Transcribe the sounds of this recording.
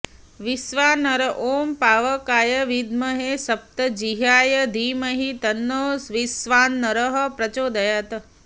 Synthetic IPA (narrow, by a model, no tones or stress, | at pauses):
ʋisʋaːnɐɾɐʔoːmpaːʋɐkaːjɐʋid̪mɐɦesɐp̚t̪ɐd͡ʒiɦaːjɐd̪ʱiːmɐɦit̪ɐnːoːsʋisʋaːnːɐɾəɦɐ̆pɾɐt͡ʃoːd̪ɐjaːt̪ɐ